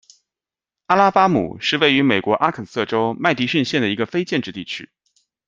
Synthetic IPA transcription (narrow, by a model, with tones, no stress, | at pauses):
a˥la˥pa˥mṵ˨˩ʂɻ̩˥˧we˥˩ɪy˧˥me˨˩ɪkwɔ˧˥ʔa˥kʰə˨˩nsɤ˥˩ʈ͡ʂo˥ʊma˥˩ɪt̪i˧˥ʂi˥˧nɕjɛ˥˩nd̪ə˩i˧˥ɡə˧fe˥ɪt͡ɕjɛ˥˧nʈ͡ʂɻ̩˥˧t̪i˥˩t͡ɕʰy̰˥